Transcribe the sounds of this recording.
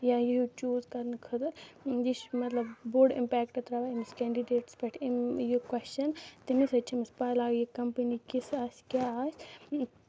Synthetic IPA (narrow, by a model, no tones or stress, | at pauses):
jãːjijut͡ʃuːzkɐɾnkʰɐt̪d͡ʒiʃmɐt̪lɐbboːɾɖḭmpɛːkʈɐt̪ɾɐʋaimiskɛːɳɖiɖeːʈsbɐʈʰjokwɐst͡ʃɐnt̪imisɐt͡ʃʰimispalaːɡjikɐmpɐnikisaːsʲkʲjaːaːsʲ